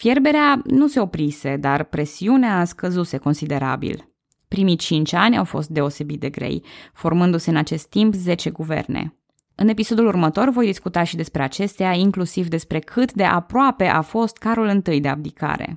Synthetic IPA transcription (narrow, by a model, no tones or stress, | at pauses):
fje̞rbe̞ɾeanuse̞o̞pɾise̞d̪arpɾe̞siuneaːskəzuse̞ko̞nsid̪e̞ɾa̰bḭl | pɾimit͡ʃint͡ʃʲanʲa̰wfo̞̰st̪̚d̪e̞o̞se̞bit̪̚d̪e̞ɡɾe̞̰jfo̞rmɨnd̪use̞ɨnat͡ʃe̞st̪ːimpze̞t͡ʃe̞ɡuvḛrnḛ | ɨne̞piso̞d̪ulurmət̪o̞rvo̞jd̪iskut̪aʃid̪e̞spɾeat͡ʃe̞st̪eaiŋklusivd̪e̞spɾe̞kʰɨt̪d̪e̞ʔapɾoape̞ʔafo̞st̪kaɾulɨnt̪ɨjd̪e̞a̰b̚d̪ika̰ɾḛ